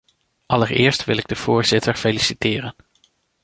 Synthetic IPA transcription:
ʔɑləɹɪːɹstʋɪlɪɡ̚dəv̥ʊːɹz̥ɪtʰəɹfelisitɪːɾən

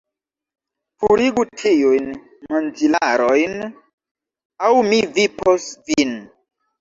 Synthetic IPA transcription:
fuɾiɡutʰijujn | mand͡ʒilaɾojn | awmiviposvin

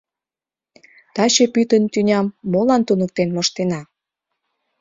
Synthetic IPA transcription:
t̪ɑt͡ɕepyt̪ənt̪ynʲɑmːolɑnt̪unək̚t̪enmoʃt̪enɑ

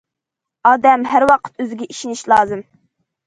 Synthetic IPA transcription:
ɑːd̪ɛmɦæɾwɑqʰə̥t̪øzɪɡʲɛʔiʃiniʃlˠɑːzɨm

